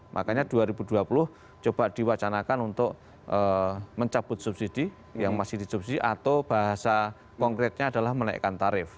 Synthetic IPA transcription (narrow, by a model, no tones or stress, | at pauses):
mʔa̰kaɲad̥uaɾibuduapulʊh | t͡ʃob̥aʔd̥iwat͡ʃanakanunt̪ʊʔ | ʔəməɲt͡ʃab̥ʊt̪̚subsid̥i | jaŋmasɪhd̥isubsidiʔat̪awb̥aɦasa | kɔŋkɾɛt̪̚ɲaːd̥alahmənaj̰kant̪aɾɪf